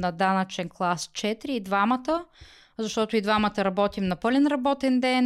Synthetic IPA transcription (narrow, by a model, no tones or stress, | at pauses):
nɐd̪anət͡ʃɛnklˠast͡ʃɛt̪ɾiːd̪vamət̪ə | zɐʃt̪ɔt̪ʊid̪vamət̪əɾɐbɔt̪imnɐpɤlʲɛnɾɐbɔt̪ɛnd̪ɛn